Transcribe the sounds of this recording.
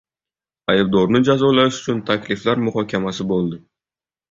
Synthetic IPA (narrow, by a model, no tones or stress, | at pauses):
ajɪb̚d̪ɒɾnɪd͡ʒazɒlaɪʃʊ̥t͡ʃʰʊnt̪ʰakʲlɪflaɾmʊhɒkʲʰamasɪbolˠd̪ɪ